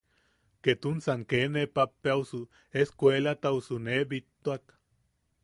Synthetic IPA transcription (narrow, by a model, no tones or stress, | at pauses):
ket̪unsaŋkenepapːeausu | eskweːlat̪ausunebit̪ːuak